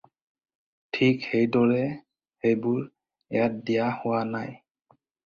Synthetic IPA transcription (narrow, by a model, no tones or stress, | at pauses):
tʰikhejdɔɹɛ | hejbʊɹ | ɛjat̚dɛjahʊwanaj